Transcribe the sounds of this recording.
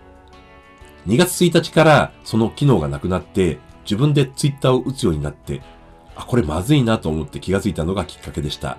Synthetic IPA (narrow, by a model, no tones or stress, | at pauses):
ɲ̟iɡat͡sɨ̥t͡sɨit̪at͡ɕi̥kaɾaso̞no̞kʲino̞ːɡanakɯ̟nat̪ːe̞ | d͡ʑibɯ̟̃nd̪e̞t͡sɨit̪ːaːoʔɯ̟t͡sɨjo̞ːɲ̟inat̪ːe̞̰ | ako̞ɾe̞mazɨinat̪o̞ːmo̞t̪ːe̞kʲiɡat͡sɨit̪ano̞ɡakʲi̥kːake̞d̪e̞ɕi̥t̪a̰